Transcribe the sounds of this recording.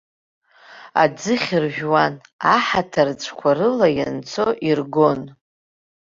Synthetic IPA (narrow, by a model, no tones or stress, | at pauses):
a̰d͡zɨχʲɪrʒᶣwanaħatʰart͡sʷʰkʷʰaɾɨlajant͡sʰoʔirɡon